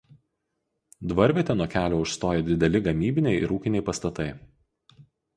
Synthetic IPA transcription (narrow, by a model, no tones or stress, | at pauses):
d̪ʋɐɾʲʋʲet̪ʲɛnuɔkʲæːlʲoːʊʃst̪oːjɛd̪ʲɪd̪ʲɛlʲɪɡɐmʲiːbʲɪnʲɛɪʔɪ̰ɾuːkʲɪnʲɛɪpɐst̪ɐt̪ɐɪ